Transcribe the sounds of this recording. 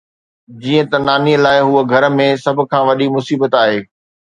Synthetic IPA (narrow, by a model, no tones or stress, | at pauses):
d͡ʑiːə̃t̪ɐnaːniəlaːɪɦuəɡʱɐɾə̆mẽsɐbʱʊ̆kʰãːʋɐɗimʊsiːbət̪aːɦeː